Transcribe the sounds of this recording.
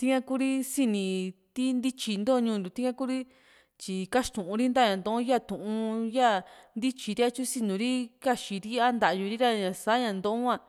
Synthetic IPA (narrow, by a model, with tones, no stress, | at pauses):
t̪i˦ŋã˦ku˦ɾi˦si˧nĩ˧t̪i˦nd̪i˦t͡ʃi˧nd̪o˦˧ɲũ˧nd̪u˨˧t̪i˦ŋã˦ku˦ɾi˦ | t͡ʃi˧ka˦ʃt̪ũ˨ʔũ˧ɾi˦nd̪a˦˨ɲã˨nd̪õ˧˦õ˦ja˦˨t̪ũ˨ʔũ˧ja˦nd̪i˦t͡ʃi˧ɾi˦a˧t͡ʃu˦si˧nũ˧ɾi˦ka˦˨ʃi˧ɾi˦a˦nd̪a˨ʔju˧ɾi˦ɾa˧ɲã˨sa˨˦ɲã˧˨nd̪õ˧˦õ˦ã˧